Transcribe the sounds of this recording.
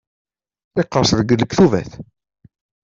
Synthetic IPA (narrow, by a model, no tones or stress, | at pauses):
θɪqːəɾsðəɡəlːəkθuvæ̰θ